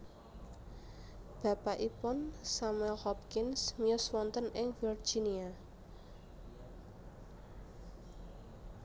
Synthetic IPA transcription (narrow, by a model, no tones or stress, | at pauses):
b̥ä̤paʔipʊnsamɛlhɔpkɪnsmijʊswɔnt̪ənʔɪŋfir̥d͡ʒʒ̥inia